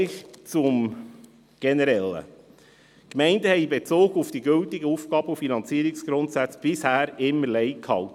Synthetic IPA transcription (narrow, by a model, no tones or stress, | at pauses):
ɪχt͡sʊm | ɡ̥ɛnəɾɛlːə̰ | kmɛɪndəhɛɪbet͡soːɡufd̥iɡʏltɪɡəufɡ̥ɑːb̥əufinɑnt͡siəɾiksɡ̥ɾʊntsæt͡sb̥ɪshæːɾɪmːəɾlɛɪkhɑlt